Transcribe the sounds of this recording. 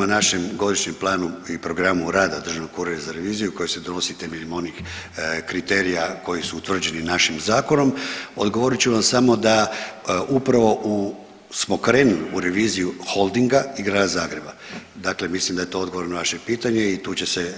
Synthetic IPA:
manaʃe̞mɡo̞d̪iʃɲemplˠaːnuipɾo̞ɡɾamuɾaːd̪ad̪ɾr̩ʒaʋnoɡkuɾejazaɾe̞ʋiːzijuko̞jese̞d̪onosit̪eminimo̞nixkɾit̪e̞ːɾijako̞jisuːt̪ʋr̩d͡ʑe̞ninaʃimzaːko̞no̞mo̞d̪ɡo̞ʋo̞ɾit͡ɕuʋamsamo̞d̪aʔupɾaʋo̞ʔu | smo̞kɾe̞ːnuliuɾe̞ʋiːzijuxo̞lˠd̪iŋɡaiɡɾaːd̪azaːɡɾe̞bad̪akle̞mislimd̪aje̞t̪o̞o̞d̪ɡoo̞ɾenoʋaʃe̞piːt̪aɲe̞it̪uːt͡ɕe̞se

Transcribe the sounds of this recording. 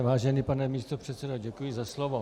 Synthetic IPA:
vaːʒɛniːpanɛmiːst̪opr̝̥ɛt̪sɛdoɟɛkujɪzaslovo

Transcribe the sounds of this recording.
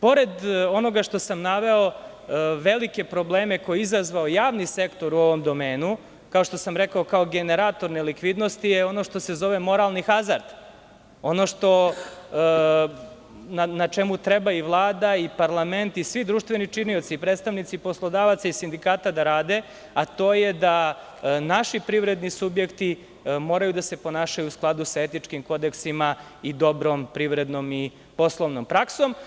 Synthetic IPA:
po̞ɾe̞d̪o̞no̞ɡaʂt̪o̞samnaʋe̞o̞ | ʋe̞like̞pɾo̞bleːme̞ko̞jeizazʋaojaːʋnise̞kt̪o̞ɾuo̞ʋo̞md̪o̞me̞ːnu | kao̞ʂt̪o̞samɾe̞kao̞kaoɡeneɾat̪o̞ɾnelikʋid̪no̞st̪ijeo̞no̞ʂt̪o̞se̞zo̞ʋe̞mo̞ɾalˠnixazaɾd̪̥ | o̞no̞ʂt̪o̞ | nanat͡ʃe̞mut̪ɾe̞baiʋlˠaːd̪aipaɾlˠame̞nt̪isʋid̪ɾuːʃt̪ʋenit͡ʃinio̞t̪sipɾed̪t̪st̪aʋnit̪sipo̞slˠod̪aːʋat̪saisind̪ikaːt̪ad̪aɾaːd̪e̞ | at̪o̞ːjed̪a | naʃipɾiʋɾe̞d̪nisubjekt̪i | mo̞ːɾajud̪ase̞po̞naːʃajuːsklˠad̪usae̞t̪it͡ʂkimko̞d̪eksima | id̪o̞bɾompɾiʋɾe̞d̪no̞mi | po̞slˠoʋnompɾakso̞m

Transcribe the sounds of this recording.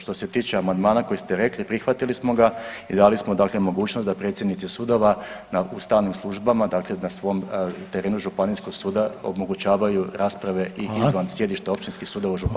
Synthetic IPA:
ʃt̪o̞se̞t̪iːt͡ʃeamand̪maːnakojist̪eɾe̞klipɾixʋat̪ilismo̞ɡaid̪alismo̞d̪aːkle̞mo̞ɡuːt͡ʃnost̪d̪apɾet̪sjed̪nit̪sisud̪o̞ʋanaʔust̪aʋnimslˠuʒbamad̪aklenasʋo̞mt̪eɾe̞ːnuʒupanisko̞ɡsuːd̪ao̰mo̞ɡut͡ɕaːʋajuɾaːspɾaʋe̞ʔiizʋansje̞d̪iʃt̪eo̞pt͡ʃ̪inskisuːd̪o̞ʋauʒup

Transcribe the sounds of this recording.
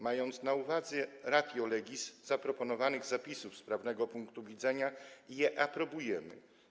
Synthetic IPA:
majɔnt̪snauvad̪zɛɾad̪ʲjɔlɛɡʲiszapɾɔpɔnɔvanɘɣzapʲisufspɾavnɛɡɔpuŋkt̪uvʲid̪zɛɲaijɛʔapɾɔbujɛmɘ̰

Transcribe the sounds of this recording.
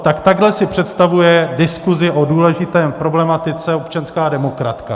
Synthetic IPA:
t̪akt̪aɡɦlɛsɪpr̝̥ɛt̪st̪avujɛdɪskuzɪʔoduːlɛʒɪt̪ɛːpɾo̞blɛmat̪ɪt͡sɛopt͡ʃanskaːdɛmo̞kɾa̰t̪ka

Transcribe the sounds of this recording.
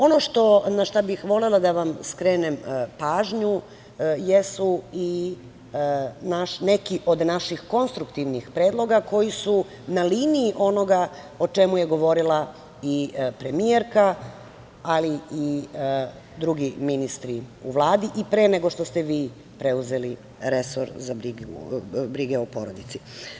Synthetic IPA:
o̞no̞ʃt̪o̞naʃt̪abixʋo̞lelˠad̪aʋamskɾeːnempaːʒɲu | jesui | naʃne̞kiʔo̞d̪naʃixko̞nst̪ɾukt̪iʋnixpɾeːd̪lˠo̞ɡako̞jisu | naliːniːʔo̞no̞ɡa | o̞t͡ʃemujeɡo̞ʋo̞ɾilˠa | ipɾe̞mieɾka | alii | d̪ɾuɡiminist̪ɾiuʋlˠaːd̪iʔipɾe̞ːneɡoʃt̪o̞st̪eʋiː | pɾeuze̞li | ɾeso̰ɾzabɾiɡṵbɾiɡeopo̞ɾod̪it̪si

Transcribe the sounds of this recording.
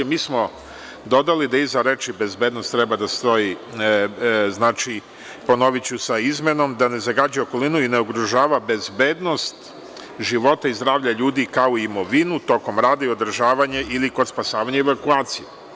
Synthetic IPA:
miːsmo̞ | d̪o̞d̪alid̪aizaɾet͡ʃibe̞zbed̪nost̪ːɾebad̪ast̪o̞i | znaːt͡ʃi | po̞no̞ʋit͡ɕusaizme̞no̞md̪ane̞zaɡaːd͡ʑujo̞ko̞linuineoɡɾuʒaːʋabe̞zbeːd̪no̞st̪ | ʒiʋo̞t̪aizd̪ɾaːʋʎaʎuːd̪ikaoiːmo̞ʋinut̪o̞ko̞mɾaːd̪aio̞d̪ɾ̩ʒaːʋaɲaʔilikospasaːʋaɲaeʋakuaːt̪sije

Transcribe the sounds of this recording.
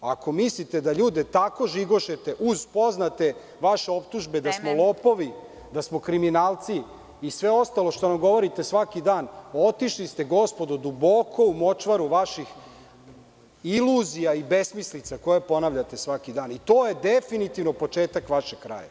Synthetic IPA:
ako̞mislit̪e̞d̪aʎuːd̪et̪ako̞ʒiɡo̞ʃet̪e̞ʔuzpo̞znat̪e̞ | ʋaʃe̞o̞pt̪uʒbe̞d̪asmo̞lˠo̞po̞ʋi | d̪asmo̞kɾiminaːlˠt̪siː | sʋe̞o̞st̪alˠo̞ʃt̪onamɡo̞ʋo̞ɾit̪esʋakid̪aːno̞t̪iʃlist̪e̞ɡo̞spo̞d̪ud̪ubo̞kʰo̞umo̞t͡ʃʋaɾuʋaʃix | iluzijaibesmislit̪sako̞jepo̞naʋʎat̪esʋakid̪aːnit̪oːjed̪efinit̪iʋno̞po̞t͡ʃeːt̪akʋaʃeɡkɾa̰ːja̰

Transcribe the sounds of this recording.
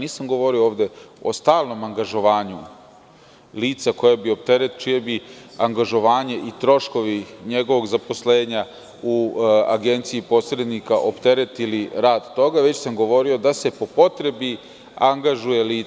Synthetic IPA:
niːsamɡo̞ʋo̞ɾiooːʋd̪e̞o̞̰st̪aːlˠno̞maŋɡaʒo̞ʋaːɲu | liːt̪sako̞jebio̞p̚t̪e̞ɾet̪t͡ʃijebiaŋɡaʒo̞ʋaːɲe̞ʔit̪ɾo̞ʃko̞ʋiɲeɡo̞ʋo̞ɡzapo̞sleːɲa | ua̰ɡe̞nt̪siipo̞ːsɾed̪nikaʔo̞pt̪e̞ɾet̪iliɾaːd̪t̪o̞ɡaʋet͡ɕsamɡo̞ʋo̞ɾiod̪ase̞po̞po̞t̪ɾe̞bi | aŋɡaʒuje̞liː

